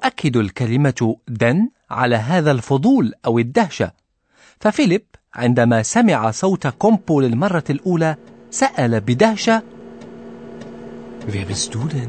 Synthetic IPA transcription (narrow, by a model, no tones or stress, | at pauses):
ʔakːɪd̪alkalɪmad̪an | ʕa̰laːɦaːðalfʊd̪ˤuːlʔawɪd̪ːahʃa̰ | fafɪlɪbʕɪ̰nd̪amaːsamɪʕasˤɑwt̪kʊmbulɪlmɑrˤːɑlʔuːlaːsaʔalabɪd̪ahʃa | vibɪsd̪uːd̪n